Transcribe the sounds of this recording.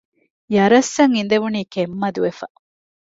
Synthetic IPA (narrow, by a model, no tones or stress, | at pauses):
jɐɾɐsːɐŋind̪eʋuniːkemːɐd̪uʋefɐ